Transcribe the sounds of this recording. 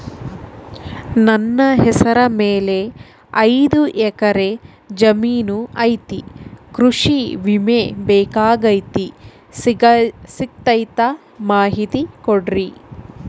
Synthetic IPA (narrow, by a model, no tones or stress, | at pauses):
nɐnːɐɦɛsɐɾɐmeːle̞ | ɐjd̪uʔɛkɐɾe̞ | d͡ʒɐmiːnuɐjt̪ikɾuʂiʋimebɛːkaːɡɐjt̪i | sik̚t̪ɐjt̪a | maːɦit̪ikoɖɾi